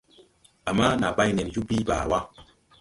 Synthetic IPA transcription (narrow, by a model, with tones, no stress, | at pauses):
a˨ma˦na˨ba˦jnɛ˨nju˦bi˦ba̰ː˨wa˦